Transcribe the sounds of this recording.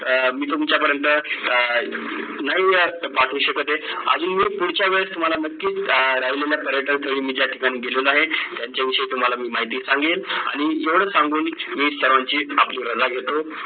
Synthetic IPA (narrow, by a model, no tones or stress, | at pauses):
miːt̪umt͡ɕjapəɾjənt̪ə | naɦiːapaʈʰũːɕəkət̪eə̰d͡zuːnmiːpuɽ̤t͡ɕaʋeɭəst̪um̤alanəkːiːt͡sɾaɦileljapəɾjəʈənt̪ʰəʋiːmiːd͡ʑjaʈʰikañiːɡelolaɦet̪jaɲt͡ɕjaʋiʂəet̪um̤alamiːmaɦit̪iːsãŋɡela̰ɽ̃ijeʋɽ̤əsãŋɡuːnmiːst͡ɕəɾʋaɲt͡ɕiːa̰pliːɾəd͡zaɡʱet̪o